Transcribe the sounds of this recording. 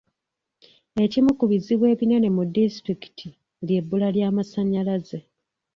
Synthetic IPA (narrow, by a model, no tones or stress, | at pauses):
e̞cimukuβiziβwe̞ːβinene̞mudistɾiki̥tʰi | lje̞bːulaljaːmasaɲːalaze̞